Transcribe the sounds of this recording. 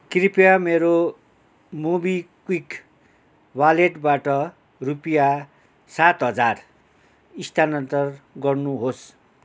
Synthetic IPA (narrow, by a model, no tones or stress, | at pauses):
kripjameɾo | mubikwik | baleʈbaʈʌ | rupija | sat̪ɦʌd͡zar | ist̪ʰanʌnt̪ʌrɡʌrnuɦos